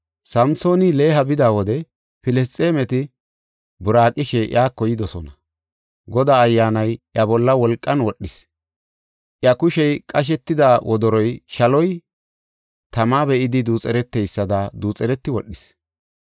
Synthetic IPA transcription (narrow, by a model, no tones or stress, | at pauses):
sɐmso̞ːnɪle̞ːɦɐbɪd̪aːwɔd̪ɛ | fɪlɛst͡sʼeːmɛt̪ɪ | bʊɾaːkʼɪʃɛʔj̰aːkːɔjɪd̪ɔsɔnɐ | ɡɔd̪aːjːaːnɐjʔɐbɔlːɐwɔlkʼːɐnwɔɗːɪs | ʔjɐkʊʃɛjkʼɐʃ̬ɛt̪ːɪd̪awʔɔd̪ɔɾɔjʃɐlɔj | t̪ɐmaːbɛʔɪd̪ɪd̪uːt͡sʼɛɾɛt̪ːɛjsːɐd̪ɐd̪uːt͡sʼɛɾɛt̪ːɪwɔɗːɪs